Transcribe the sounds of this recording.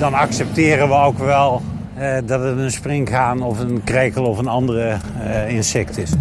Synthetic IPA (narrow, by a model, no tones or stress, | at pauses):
dɑnɑksɛp̚tɪːrənʋəowkʋɛlˠ | dɑtətənsprɪŋkɣaːnɔfənkreːkəlˠɔfənɑndərə | ɪnsɛktɪs